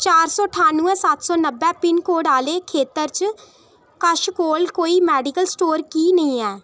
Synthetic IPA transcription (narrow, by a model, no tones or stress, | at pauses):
t͡ʃaːɾsɔːʈʰaːnũːɛ̃ːsat̪sɔːnəbːɛ̃ːpɪnkoːɖaːleːkʰeːt̪əɾt͡ʃ | kəʃkoːlkoːiːmɛːɖɪkəlsʈoːɾkiːnəĩːɛː